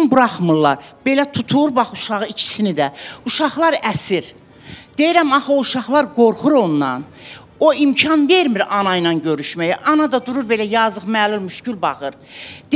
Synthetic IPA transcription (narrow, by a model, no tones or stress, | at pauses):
nbuɾɑχmɯlːˠɑɾb̥e̞læt̪ʰut̪ʰuuɾbɑχuʃɑʁɯit͡ʃʰi̥sinid̪æuʃɑχlˠɑɾæsiɾ | d̪̥e̞jiɾæmɑχɯouʃɑχlˠɑɾɡo̞ɾχuɾo̞nːɑ̰n | o̞imcʰɑnve̞ɾmiɾɑnɑjnɑnɟø̞ɾyʃmæjæʔɑnɑd̪ɑd̪uɾuɾbe̞læjɑzɯχmæːlulmyʃcylbɑχɯɾd̪̥